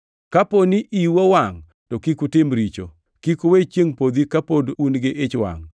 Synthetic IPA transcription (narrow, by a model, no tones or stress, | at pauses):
kaponiʔiwowaŋ | tokikutɪmɾit͡ʃo̰ | kikuwet͡ʃjeŋpod̪ikapodunɡɪʔɪt͡ʃwa̰ŋ